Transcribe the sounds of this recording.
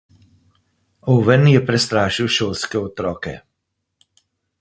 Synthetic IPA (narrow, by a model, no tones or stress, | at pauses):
oʋɛnjɛpɾɛst̪ɾaːʃiwʃoːlskɛɔt̪ɾɔːkɛ̰